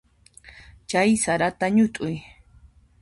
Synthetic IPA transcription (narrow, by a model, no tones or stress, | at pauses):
t͡ʃajsaɾat̪aɲʊt̪ʼʊj